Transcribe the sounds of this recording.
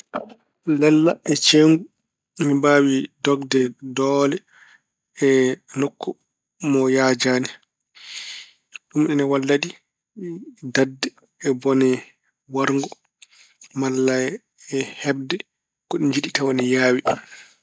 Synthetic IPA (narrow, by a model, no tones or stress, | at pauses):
lɛlːa̰ʔɛt͡ʃeŋɡu | mimbaːwidɔɡdɛdɔːlɛ | ɛnokʰːɔ | mɔjaːd͡ʒaːnɛ | ɗumɗɛnɛwalːadi | dadːɛ | ɛbɔnɛ | waɾŋɡɔ | malːa | ɛhɛb̚dɛ | kɔɗind͡ʒiɗitawanɛjaːwi